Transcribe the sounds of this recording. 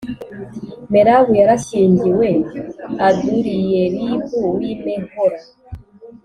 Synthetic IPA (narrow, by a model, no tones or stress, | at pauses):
meɾaβujaɾaʃeɲɟiweaduɾijeβiβuwimeɡoɾa